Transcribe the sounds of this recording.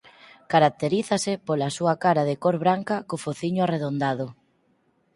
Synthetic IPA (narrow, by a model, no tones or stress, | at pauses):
kaɾak̚t̪eɾiθɐsɪpolasuakaɾaðɪkoɾβɾaŋkɐkofoθiɲʊareðond̪aðʊ